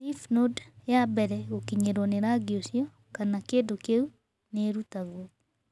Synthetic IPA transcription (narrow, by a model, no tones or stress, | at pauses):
ifnodjabɛɾɛokiɲeɾwɔneɾaɡiosjɔ | kanakeːdokeu | neɾutaɣwɔ